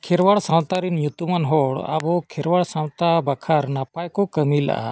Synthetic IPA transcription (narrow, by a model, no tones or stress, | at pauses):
kʰɛɾwaɽsãw̃t̪aɾinjut̪umanɦɔɽa̰bɔkʰɛɾwaɽsãw̃t̪abakʰaɾnapajkɔkəmila̰ʔa̰